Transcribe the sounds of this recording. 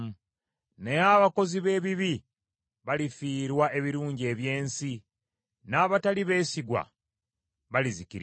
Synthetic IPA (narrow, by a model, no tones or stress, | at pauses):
nejaβako̞ziβe̞ːβiβi | βalifiːɾwaʔe̞βiɾuːɲɟie̞βje̞ːnsi | naːβataliβe̞ːsiɡwa̰ | βalizikiɾ